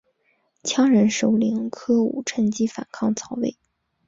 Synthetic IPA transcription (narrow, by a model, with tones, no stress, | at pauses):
t͡ɕʰjɑ˥ŋɻə˧˥nʂo˧˥ʊli˧˥ŋkʰɤ˥ṵ˨˩ʈ͡ʂʰə˧˥nt͡ɕi˥fa̰˨˩nkʰɑ˥˩ŋt͡sʰɑ˧˥ʊwḛ˥˩ɪ